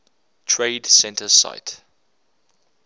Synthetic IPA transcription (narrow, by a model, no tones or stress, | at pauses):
tʰɹeɪdsɛ̃ntʰəsa̰ɪt